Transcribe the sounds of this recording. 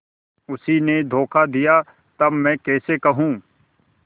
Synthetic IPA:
ʊsined̪ʱoːkʰad̪ija | t̪ɐbmɛ̃ːkɛːsekɐɦũː

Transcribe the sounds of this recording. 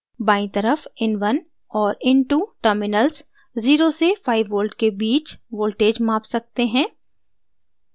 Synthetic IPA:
baːĩt̪əɾəfɪnʋɐn | ɔːɾɪnʈuʈəɾmɪnəls | ziːɾosefʰaːɪʋːoːlɖkebiːt͡ʃʋoːlʈeːd͡ʒmaːpsɐk̚t̪eɦɛ̃ː

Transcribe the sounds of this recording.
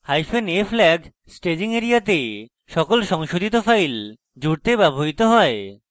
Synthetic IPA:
hajfeneflɛɡ | sʈed͡ʑiŋeɾiat̪e | ʃɔkolʃɔŋʃod̪ʱit̪ofajl | d͡ʑuɾt̪ebɛbʱoɦit̪oɦɔe

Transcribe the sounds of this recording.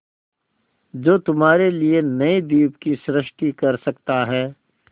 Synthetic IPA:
d͡ʒoːt̪ʊmɦaːɾelienɐid̪iːpkisɾɪʃʈikɐɾsɐkt̪aɦɛː

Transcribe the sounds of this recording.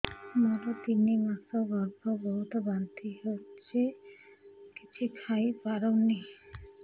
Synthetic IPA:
moɾot̪inimasobɔɾɡobɔɦut̪obant̪iɦot͡ɕʰe | kit͡ɕʰukʰajpaɾoni

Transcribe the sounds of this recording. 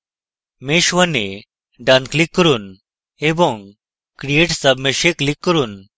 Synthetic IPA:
meɕʋəne | ɖanklikːəɾuːn | ebõŋɡ | kɾieʈsəbmeɕeklikːəɾuːn

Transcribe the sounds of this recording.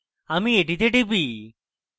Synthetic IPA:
amieʈit̪eʈibi

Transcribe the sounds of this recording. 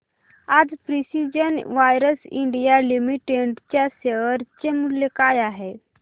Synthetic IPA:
ad͡zpɾisid͡ʑənʋajɾəsḭɳɖijalimiʈeɳʈt͡ɕjaseʋəɾt͡ɕemuljekajaɦe

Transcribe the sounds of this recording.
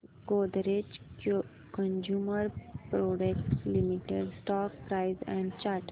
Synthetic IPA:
ɡod̪ɾed͡ʒk | kə̃nd͡ʒjuːməɾpɾoɖek̚ʈlimiʈeɖsʈɔk̚pɾaɪzɛ̃ɳɖt͡ʃaʈ

